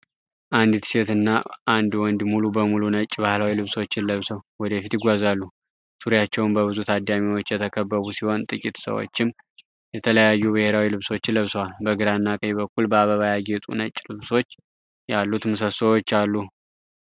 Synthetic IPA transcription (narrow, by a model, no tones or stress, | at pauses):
ʔand̪t̪ʰset̪ɨnːaʔand̪wɔnd̪mulubəmulunət͡ʃʼːbahlawilɨβso̞t͡ʃːɪnləβsəwwɔd̪əfit̪ɪɡʷazalːu | suɾjat͡ʃːɛwʊnbəβɨzut̪ʰad̪ːamiwo̞t͡ʃːjɛt̪ʰəkʰəbːəβusiho̞nt̪ʼɨkʼit̪sə̰wo̰t͡ʃːɪm | jɛt̪ʰələjajːubɨheɾawilɨβso̞t͡ʃːləβswalbəɡɨɾanːakʼəjbəkːulbəaβəβajaɡet̪ʼṵnət͡ʃʼːlɨβso̞t͡ʃː | jalːut̪mɨsəsəwot͡ʃːalːu